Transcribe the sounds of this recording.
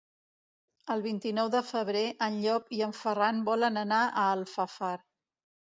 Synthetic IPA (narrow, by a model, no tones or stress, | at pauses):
əlˠβint̪inɔwðəfəβɾeʔənʎɔpiəɱfəranbɔlənənaʔəːlˠfafaɾ